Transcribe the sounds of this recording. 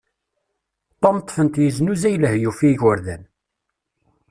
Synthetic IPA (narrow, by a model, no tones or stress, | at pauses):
t̪ˤːɑmət̪ˤːfənt̪jəznuzæjləhjufiʝəɾðæn